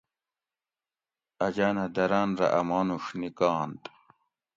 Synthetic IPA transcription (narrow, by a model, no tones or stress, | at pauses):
ɐd͡ʑaːnɐd̪ɐɾaːnɾɐ̰ʔɐmaːnuʂnikaːnt̪